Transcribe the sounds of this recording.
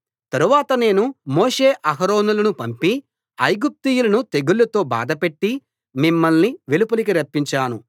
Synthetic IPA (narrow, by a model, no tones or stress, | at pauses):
t̪ɐɾuʋaːt̪ɐne̞ːnumoːʂe̞ːʔɐɦɐɾo̞ːnulɐnupɐmpi | ɐjɡup̚t̪iːjulɐnut̪e̞ɡulːɐt̪o̞ːba̰ːd̪ɐpe̞ʈːi | mimːɐlniʋelupulik̬iɾɐpːiɲt͡ʃaːnu